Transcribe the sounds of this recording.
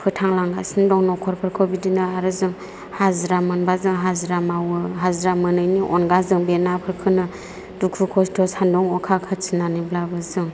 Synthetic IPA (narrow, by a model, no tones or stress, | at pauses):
pʰɯtʰaŋlaŋɡasɯndɔŋnɔkʰɔɾpʰɯɾkʰɯbidinɯaɾɯzɯŋ | hazɾamɯnbazɯŋɦazɾamawɯɦazɾamɯnɯjniʔɔnɡazɯŋbenapʰɯɾkʰɯnɯ | dukʰɯkʰɔstʰɔsandɔŋɔkʰakʰat͡ʃʰɯnanɯblabɯzɯŋ